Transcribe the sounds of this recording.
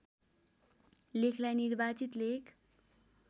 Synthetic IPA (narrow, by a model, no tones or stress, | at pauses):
lekʰlajnirbat͡sit̪lekʰ